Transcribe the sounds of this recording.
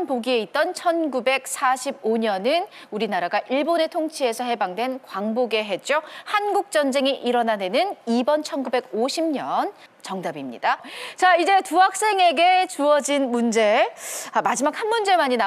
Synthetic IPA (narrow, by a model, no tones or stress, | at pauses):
npoɡie̞it̚t͈ʌnt͡ɕʰʌnɡube̞k̚sʰaɕʰiboɲʌnɯn | uɾinaɾaɡaʔiɭbone̞tʰoŋt͡ɕʰie̞sʰʌɦe̞baŋdwe̞nkwaŋboɡe̞ɦe̞t̚t͡ɕ͈ohanɡuk̚t͡ɕ͈ʌnd͡ʑe̞ŋiʔiɾʌnane̞nɯnibʌnt͡ɕʰʌnɡube̞ɡoɕʰimɲʌn | t͡ɕʌŋdabimɲḭd̥at͡ɕaid͡ʑe̞tuɦak̚s͈e̞ŋe̞ɡe̞t͡ɕuʌd͡ʑinmund͡ʑe̞amad͡ʑimak̚hanmund͡ʑe̞maɲina